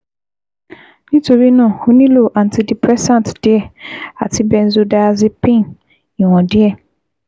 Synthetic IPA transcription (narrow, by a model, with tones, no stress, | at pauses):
nĩ˦to˨ɾi˦nɔ̃˦˨ho˨nĩ˦lo˦˨ʔã˨n˨ti˦di˨pʰɾɛ˦sã˦˨td̥ɪ˦ɛ˦˨a˨tʰi˦bɛ˦n̩˦zu˦da˦zi˦pĩ˦˨n | ĩ˨wɔ̃˨dɪ˦ɛ˦˨